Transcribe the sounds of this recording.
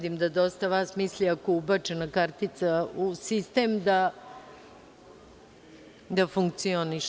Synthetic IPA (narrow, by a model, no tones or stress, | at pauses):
d̪imd̪ad̪o̞st̪aʋaːsmisliakoubat͡ʃenakaɾt̪it̪sausist̪eːmd̪a | d̪afuŋk̚t̪sio̞niʃ